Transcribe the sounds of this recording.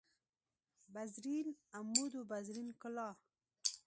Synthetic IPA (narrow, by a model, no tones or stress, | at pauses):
bazɾinamːud̪ubazɾinkʊlɑ